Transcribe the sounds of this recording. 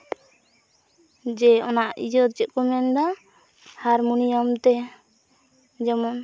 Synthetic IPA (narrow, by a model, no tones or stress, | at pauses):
d͡ʒɛɔnaʔḭd͡ʒɔt̪̚t͡ʃɛʔ̪̚kɔmɛnd̪a | haɾmunijɔmt̪ɛ | d͡ʒɛmɔn